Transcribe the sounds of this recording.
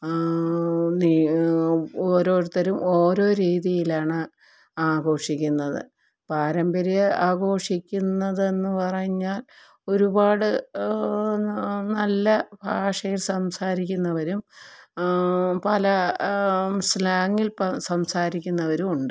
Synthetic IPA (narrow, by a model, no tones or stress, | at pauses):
ni | oːɾo̞ːɾut̪ːɐɾumo̞ːɾo̞ːɾiːðijilaːɳɨ | aːɡo̞ːʂikʲːunːɐðɨ̰ | paːɾɐmbɐɾijɐaːɡo̞ːʂikʲːunːɐðe̞nːɨpɐrɐjɲːaːl | o̞ɾubaːɽɨ | nɐlːɐbʱaːʂɐjilsɐmsaːɾikʲːunːɐʋɐɾum | pɐlɐ | slaːŋːilpɐsɐmsaːɾikʲːunːɐʋɐɾumuɳɖɨ